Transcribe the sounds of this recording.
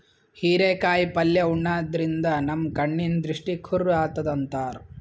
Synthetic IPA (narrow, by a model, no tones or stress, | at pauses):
hiːɾeːkaːjipɐljɐuɳːaːd̪ɐɾind̪ɐnɐmkɐɳːind̪ɾiʂʈikʰuɾaːt̪ɐd̪ɐnt̪aːɾ